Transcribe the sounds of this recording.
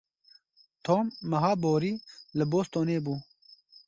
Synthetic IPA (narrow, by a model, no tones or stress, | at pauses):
t̪ʰoːmːɐɦɑːboːɾiːləboːst̪oːneːbuː